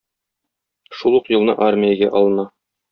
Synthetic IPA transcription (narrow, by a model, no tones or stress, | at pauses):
ʃulˠuqjŭlˠnɤʔarmʲɪjəɡæʔɒlˠɤ̆nɑ